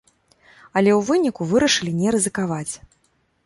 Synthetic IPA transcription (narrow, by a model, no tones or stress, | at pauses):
ɐlʲɛwvɨnʲikuvɨɾɐʂɨlʲinʲɛɾɨzɨkavat͡sʲ